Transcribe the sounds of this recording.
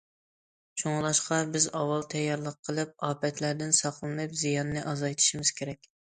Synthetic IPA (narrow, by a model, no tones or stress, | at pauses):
t͡ʃʰoŋlˠɑʃqɑbɪzɑwːɑlˠt̪ʰɛjːɑɾlˠəqʰːəlˠɨp̚ɑːpɛt̪ʰlæɾd̪ɪnsɑqʰlˠmɑjpzijɑnːɨʔɑzɑjt̪ʰɨ̥ʃimɪz̥kʲʰeɾɛkʲ